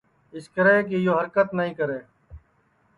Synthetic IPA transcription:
ɪskəɾeːk̬ejoːɦəɾkət̪nəɦĩːkəɾeː

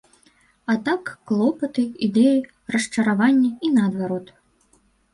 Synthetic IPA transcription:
ɐt̪akːlˠɔpɐt̪ɨid̪ɛji | rɐʂt͡ʂɐɾavanʲːɐinɐːd̪vaɾɔt̪

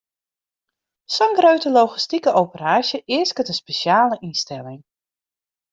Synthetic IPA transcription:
sɔnɡrøɥtəlowχistikəʔowpəraːʃjəʔɪəskətənspeʃjaːləʔinstɛlɪŋ

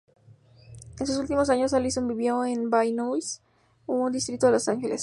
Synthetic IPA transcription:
ensus̬ult̪imo̞s̬aɲo̞salisonbiβjo̞enbajnujs | und̪ist̪ɾit̪o̞ðelosaŋxeles

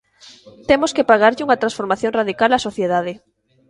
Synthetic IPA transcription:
t̪emoskepaɣaɾʎɪuŋɐt̪ɾansfoɾmaθjõŋraðikalasoθjeðað̞ɪ

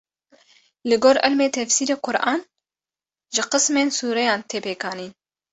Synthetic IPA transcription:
lɨɡoːɾʔɪ̰lmeːt̪ʰɛfsiːɾeːqʰʊɾʔɑːn | ʒɪqɨsmeːnsuːɾɛjɑːnt̪ʰeːpeːkʰɑːniːn

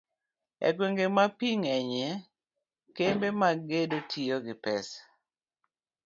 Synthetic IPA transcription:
ɛ̰kweŋɡemapiŋɛɲɛ | kembemaɡedotʰijoɡɪpɛs

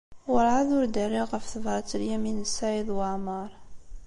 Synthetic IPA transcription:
wəɾʕaðʊɾd̪ərːiʁəfθəvɑɾˤt͡sːəljæminəsaʕiðˤwəʕmɑɾˤ

